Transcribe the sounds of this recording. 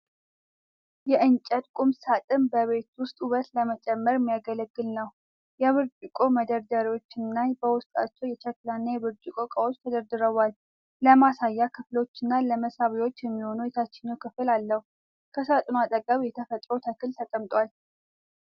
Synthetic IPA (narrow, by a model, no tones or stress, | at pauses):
jɛʔɨnt͡ʃʼət̪kʼumsat̪ʼɨmbəβe̞t̪wʊst̪ʼuβət̪ləmət͡ʃʼɛmːəɾmːijaɡələɡːɨlnəw | jɛβɨɾt͡ʃʼɨkʼoməd̪əɾd̪əɾiwo̞t͡ʃːɪnːabəwʊst̪ʼa̰t͡ʃːɛwjɛt͡ʃɛklanːajɛβɨɾt͡ʃʼɪkʼokʼəwot͡ʃːt̪ʰəd̪əɾd̪ɨɾəwal | ləmasajːakʰɨflo̞t͡ʃːɨnːaləməsaβiwo̞t͡ʃːjɛmːiho̞nujɛt̪ʰat͡ʃːɪɲːɛwkʰɨfɨlalːəhu | kʰəsat̪ʼnoat̪ʼəkʼəmjɛt̪ʰəfət̪ʼɾot̪ʰəkʰɨlt̪ʰəkʼəmt̪ʼwal